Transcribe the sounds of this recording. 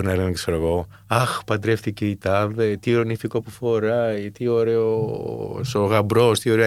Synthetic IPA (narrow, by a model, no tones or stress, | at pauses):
ɾinɐlenekseɾɐɣo̞ | ɐxpɐd̪ɾefθiceit̪ɐðet̪iɾonifiko̞pufo̞ɾɐjt̪io̞ɾeo̰soɣɐbɾo̞st̪io̞ɾe